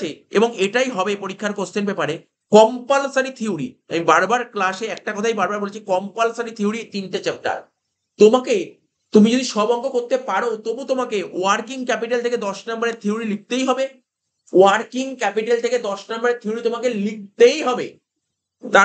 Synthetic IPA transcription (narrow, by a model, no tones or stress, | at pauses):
eeboŋeʈajɦɔbepoɾikʰːaɾkoɾst̪ʰenbepaɾe | kɔmpalsaɾit̪ʰiuɾiamibaɾbaɾklaʃeɛk̚ʈakɔt̪ʰajbaɾbaɾbolet͡ɕʰekɔmpalsaɾit̪ʰiuɾit̪inʈet͡ɕep̚ʈa̰ɾ | t̪omake | t̪umid͡ʑod̪iʃɔbɔŋɡokoɾt̪epaɾot̪obut̪omakeaɾkiŋkɛpiʈalt̪ʰeked̪ɔʃnambaɾeɾt̪ʰiuɾilik̚t̪ejɦɔbe | aɾkiŋkɛpiʈalt̪ʰeked̪ɔʃnambaɾeɾt̪ʰiuɾit̪omakelik̚t̪ejɦɔbe | t̪a